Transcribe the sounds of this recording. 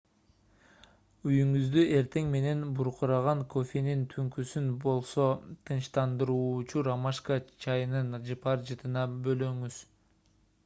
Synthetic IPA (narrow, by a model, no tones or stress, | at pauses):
yjyŋyzd̪yʔe̞ɾt̪ʰe̞ŋme̞ne̞nbuɾquɾɑʁɑŋkʰo̞fʲenint̪ʰyŋkysynbo̞lˠso̞t̪ʰɯnʃt̪ɑnd̪ɯɾuːt͡ʃuɾamɑʃkat͡ʃʰɑjɯnɯnd͡ʒɯpɑɾd͡ʒɯt̪ɯnɑbø̞løŋyz̥